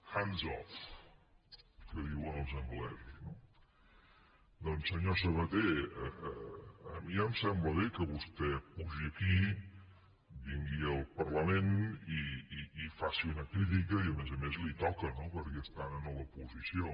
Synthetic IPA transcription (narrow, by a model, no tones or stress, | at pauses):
xanzɔ̰f | kəðiwənəlˠzəŋɡlɛzuzno | d̪ɔnsːəɲosəβət̪eəəəmiəmsɛmbləβekəβust̪ɛpuʒiəki | biŋɡiəlˠpəɾləmeniiifasiunəkɾit̪̬ikəiəmezəmezlit̪ɔkənopəɾkɛəst̪aənənɔβəpuzisio